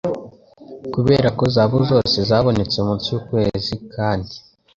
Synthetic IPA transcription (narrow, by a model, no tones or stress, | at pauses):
kuβe̞̰ːɾako̞zaːβuzo̞ːse̞zaːβo̞ne̞t͡seumut͡sukweːzikaːndi